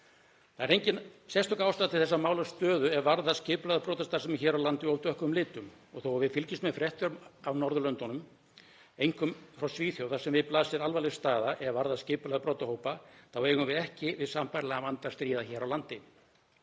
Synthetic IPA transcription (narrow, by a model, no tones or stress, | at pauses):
θaɛɾejɲcɪnsɛst̪ʰɔkawst̪aːt̪ʰɪ̥θɛsːamaːwlast̪œːðʏɛɾvaɾðascɪːplɛaðapɾɔːt̪ast̪asɛmɛɾçɛːɾawlant̪ɪowt̪ʰœhkʏmlɪːt̪ʏm | ɔɣθowavɪðfɪlcɪst̪mɛðfɾɛht̪jœɾmavnɔɾðʏlœnt̪ɔnʏm | ejŋkʏmfɾawsviːθjowðasɛmvɪðplaːsɪðalvalɪst̪aːðaʔɛɾvaɾðascɪːpʏlɛðapɾɔːt̪ahoːwpaθawvejɣʏvɪðɛhcɪvɪðsaːmpajɾlɛɣavant̪ḁst̪ɾiːðaçɛːɾawlant̪ɪ